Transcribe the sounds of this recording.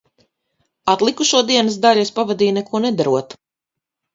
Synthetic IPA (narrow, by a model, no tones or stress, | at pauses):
at̪lˠikuʃuɔd̪iɛnəs̬d̪alʲspavad̪iːnɛkuɔnɛd̪aɾuɔt̪